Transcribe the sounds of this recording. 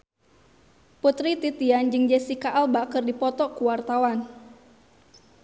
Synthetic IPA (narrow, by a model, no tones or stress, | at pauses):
put̪ɾit̪it̪iand͡ʒɨŋd͡ʒɛsikaʔalbakɨrdipɔt̪ɔkuwart̪awan